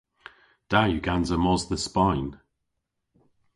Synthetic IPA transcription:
d̥ajʉɡanzəmɔzðəspaɪ̃n

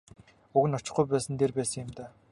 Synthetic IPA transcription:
uɣɘ̆nɔt͡ɕɪ̆χɡujpæːsə̆nt̪erpæːsə̆ŋɪ̆mt̪aː

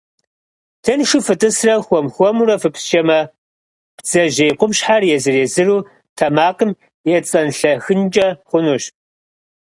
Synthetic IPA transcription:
tʰɐnʂʊfɨtʼɨsrɐxʷɔmxʷɔmurɐfɨpsʃɐmɐ | pd͡z̥ɐʒeːjqʷʊmɕħarjɛzɨreːzɨruː | tʰɐmaːqʼəm | jɛt͡sʼɐnɬɐxɨnd͡ʒʼɐχʷʊnuɕ

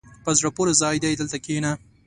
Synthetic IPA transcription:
pəzɽapoɾezɑjd̪ajd̪əlt̪akena

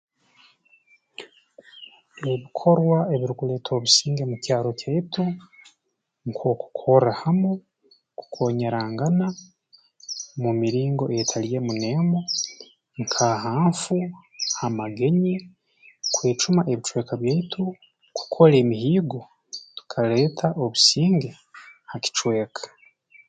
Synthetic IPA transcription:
e̞βikʰo̞ɾwae̞βiɾuɡule̞tʰo̞βusiːŋɡe̞mucaːɾo̞caitʰu | ŋkʰo̞ku̥kʰo̞ɾahamo | ku̥kʰo̞ɲaɾaːŋɡana | mumiɾiːŋɡo̞ʔetʰalije̞mune̞mo | ŋkʰaɦaːɱfu | hamaɡe̞ɲi | kwe̞ːt͡ʃumaʔe̞βit͡ʃwe̞ːkaβjeitʰu | ku̥kʰo̞ɾe̞ːmihiːɡo̞ | tu̥kʰale̞ːtʰaʔoβusiːŋɡe̞ | haki̥t͡ʃwe̞ːkʰḁ

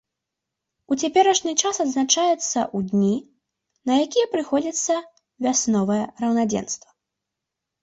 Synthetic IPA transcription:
ut͡sʲapʲɛɾɐʂnʲɨt͡ʂasɐd̪znat͡ʂajɛt̪sːɐ̰ʔud̪ʲnʲi | nɐjakʲijɛpɾɨxɔd͡zʲit̪sːɐ | vʲasnɔvɐjɛrɐwnad͡zʲɛ̰nst̪vɐ

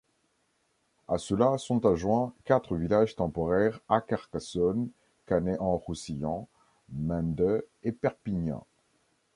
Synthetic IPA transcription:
asəlasɔ̃t̪aʒwɛ̃kat̪χəvilaʒt̪ɑ̃pɔʁɛʁakaʁkasɔn | kaneʔɑ̃ʁusijɑ̃ | mɛ̃nd̪ə | epɛʁpiɲɛ̰̃

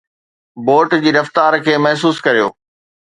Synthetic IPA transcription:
boːɾʈd͡ʑiːɾɐft̪aːɾkʰeːmɐɦs̬uːskɐɾijoː

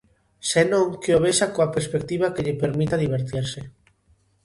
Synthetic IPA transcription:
senõŋkeoβ̞eʃakoapeɾspek̚t̪iβ̞akeʎepeɾmit̪aðiβ̞eɾt̪iɾse

